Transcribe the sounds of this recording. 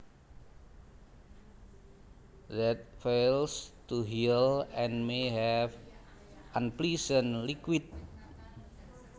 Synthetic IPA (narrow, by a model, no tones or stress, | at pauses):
ðɛt̪̚felst̪uɦilɛ̃nmeɦɛf | ʔãnplisənlikwit̪̚